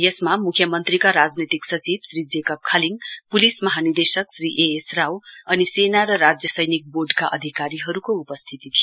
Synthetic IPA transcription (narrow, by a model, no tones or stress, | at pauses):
jesmamukʰjʌmʌnt̪rikaɾad͡znet̪iksʌt͡sibsrid͡zekʌp̚kʰaliŋɡpulismʌɦanird̪esʌksriʔeesrawʌnisenaɾʌɾad͡zjʌsʌjnik̚boɖkaʔʌd̪ʱikaɾiɦʌɾukoupʌst̪ʰit̪it̪ʰijo